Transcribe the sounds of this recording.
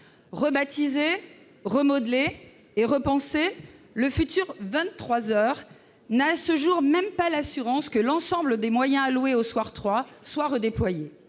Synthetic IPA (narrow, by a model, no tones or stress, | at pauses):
ʁəbat̪ize | ʁəmɔd̪leː | ʁəpɑ̃seləfyt̪yʁvɛ̃t̪ːχwazœːʁ | nasəʒuʁmɛmpalasyʁɑ̃skəlɑ̃sɑ̃bləd̪emwajɛ̃alweoswaʁt̪χwaswaʁəd̪eplwaje